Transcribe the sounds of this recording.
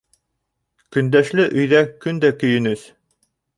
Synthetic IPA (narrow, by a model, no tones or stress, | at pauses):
kɵ̆nd̪æʃlɘʔɵ̆jðækɵnd̪ækɵ̆jɘ̆nɵð